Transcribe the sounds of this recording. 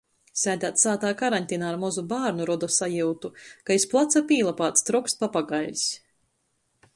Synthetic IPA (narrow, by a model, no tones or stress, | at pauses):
sʲæjd̪aːt̪saːt̪aːkaɾanʲt̪ʲinaːɾmɔzubaːɾnuɾɔd̪ɔsajuːt̪ukaisplˠat̪sapiːlˠapaːt̪st̪ɾɔkspapaɡaʎʲs